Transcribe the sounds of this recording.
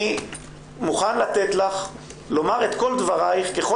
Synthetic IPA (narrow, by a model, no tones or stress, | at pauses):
i | muχanlat̪et̪laχ | lo̞maʁe̞t̪ko̞ld̪vaʁajχke̞χo